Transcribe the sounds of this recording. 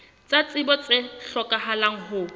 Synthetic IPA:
t͡sʼat͡sʼɪbɔt͡sʼɪɬɔkʼahalaŋ̩ɦʊ

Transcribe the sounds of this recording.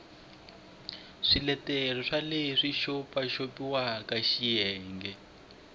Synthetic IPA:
ʂilɛtɛrɔʂaleiʂiʃopaʃopiwakaʃijɛːŋɡɛ

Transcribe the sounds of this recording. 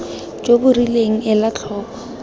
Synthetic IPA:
t͡ʃʼobʊrileŋ̩ɪlat͡ɬʰɔːkʰɔ̥

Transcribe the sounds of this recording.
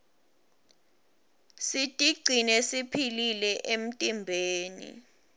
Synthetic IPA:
sitʼiɡ͡ǀʱinɛsipʰililɛʔem̩tʼimbʱeːnḭ

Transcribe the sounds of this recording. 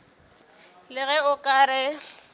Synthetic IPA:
lɪɣɛʊkʼaːɾɛ

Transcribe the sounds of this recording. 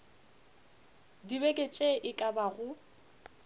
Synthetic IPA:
dibekʼet͡ʃʼeʔɪkʼabaɣʊ

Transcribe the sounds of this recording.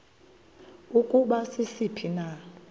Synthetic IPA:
ukʼuɓasisipʰina

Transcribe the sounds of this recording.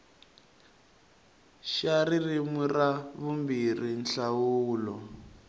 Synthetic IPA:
ʃaririmwiraβumbirinɬawuːlɔ

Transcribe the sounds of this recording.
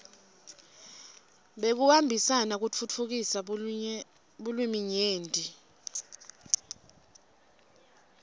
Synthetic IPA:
ɓek̬uwambʱisanak̬ut͡fʰut͡fʰuk̬isa | ɓulwimiɲeːndʱʼi

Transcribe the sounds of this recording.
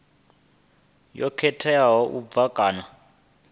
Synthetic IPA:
jɔkʰɛtʰɛjaɦɔʔub̪vakʼaːna

